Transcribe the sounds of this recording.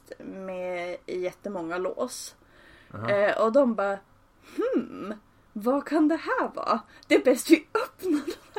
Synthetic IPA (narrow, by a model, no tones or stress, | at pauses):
t̪mɛjɛt̪ːəmɔŋːalo̰ːs | ʔɔd̪ɔmbɑː | hm̩ | vakʰand̪ɛhæːɾvɑ̰ːd̪̥ɛæɾbɛst̪vɪɵpnod̪